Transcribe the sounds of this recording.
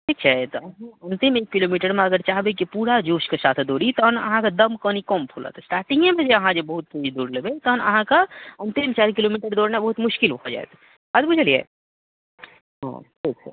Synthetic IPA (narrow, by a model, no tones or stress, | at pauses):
ʈʰiːk̚t͡ʃʰat̪ɔɐɦãɐnt̪ɪmeːkːiloːmiːʈəɾmẽɐɡəɾt͡ʃaːɦbekipuːɾad͡ʒoːʃkesaːt̪ʰd̪oːɾit̪ɔnɐ̰ɦãkad̪ɐmkənikɔːmpʰulə̰t̪ʰsʈaːɾʈĩŋɡẽbʱed͡ʒeɐɦãd͡ʒebɐɦʊt̪̚keid̪uːɾləbet̪ɔɦnɐ̰ɦãkaɐnt̪ɪmt͡ʃaːɾkɪloːmiːʈəɾd̪oːɾnẽbɐɦut̪mʊʃkɪlbɐkʰɔd͡ʒa̰ːḛt̪ | ɐd̪bʊd͡ʒʱəliḛ | ɦõ̰ʈʰiːk̚t͡ʃʰɛ̰